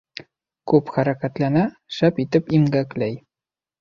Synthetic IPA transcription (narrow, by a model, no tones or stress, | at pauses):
kʉpχæɾækæt̪lænæ | ʃæpit̪ɘpimɡæklæj